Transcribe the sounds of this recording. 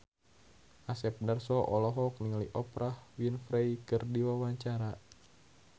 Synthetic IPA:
ʔasɛp̚nərsɔʔɔlɔɦɔk̚niŋliʔɔpɾʔahwinfɾɛikɨrdiwawaɲt͡ʃaɾa

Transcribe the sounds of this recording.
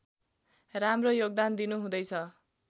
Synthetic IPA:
ramrojoɡ̚d̪and̪inuɦũd̪ʌjt͡sʰʌ

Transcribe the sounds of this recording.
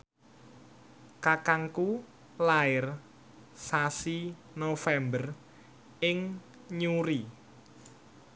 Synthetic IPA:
kakaŋku | laɪr | sasi | nofɛmbər | ɪŋ | ɲuɾi

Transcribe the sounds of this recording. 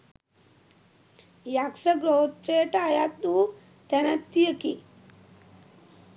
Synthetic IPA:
jaksɐɡɾoːt̪ɾeːʈɐajat̪̚d̪uː | t̪ɛnət̪ːijəki

